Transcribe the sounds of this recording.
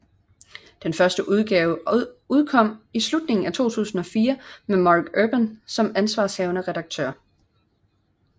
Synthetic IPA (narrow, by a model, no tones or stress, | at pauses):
d̥enfɶɐsd̥əʔuð̞ˠɡ̥ɛːʊuð̞ˠkʰɒ̽m̰islud̥ne̝ŋn̩æt͡sʰo̝̰ːt͡sʰṵːsn̩ɒ̽fiːɐmemɑːɡ̥øb̥ənsɒ̽mænsʋɑ̈ːshɛʊnəʁɛdɑ̈ɡ̥̚t͡sʰø̰ɐ̰